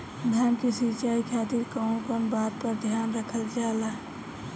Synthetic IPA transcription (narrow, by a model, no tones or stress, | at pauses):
d̪ʱjaːnkisit͡ʃaːikʰaːt̪iɾkə̃konbaːt̪̚pəɾd̪ʱjaːnɾəkʰəld͡ʒaːlaː